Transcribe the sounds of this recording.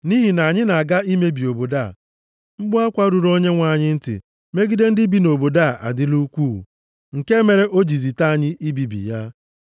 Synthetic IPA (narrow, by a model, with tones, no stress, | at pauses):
ni˦ɦi˨na˨ɲɪ˦na˨ɡa˦i˦me˦bi˨o˨bo˨da˦˨ | m̩˦ɡ͡bʊ˦a˦kʷa˦ɾu˨ɾo˦ɲe˦ŋʷa˨ɲɪ˦n̩˦tɪ̰˨ | me˦ɡi˦de˦n̩˦dɪ˦bi˦no˨bo˨da˦˨ʔa̰˨dɪ˦lu˦kʷṵ˦˨ | ŋ̩˨ke˦me˨ɾe˦ʔo˦d͡ʒi˨zi˨ta˦a˨ɲɪ˦ʔi˦bi˨bḭ˨ja˦